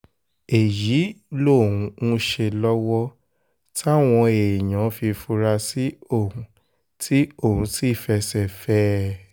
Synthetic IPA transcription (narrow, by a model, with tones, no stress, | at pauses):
e˨ji˨˦lo˦˨ũ˨˧˦nũ˦ʃe˧lɔ˦wɔ˦ | ta˦˨w̃ɔ̃˧e˨j̃ã˨˦fi˧fu˧ɾa˧si˦o˦˨ũ˨˦ | tʰi˦o˦˨ɦũ˨˦ti˦˨fɛ˧sɛ˦˨fɛ˦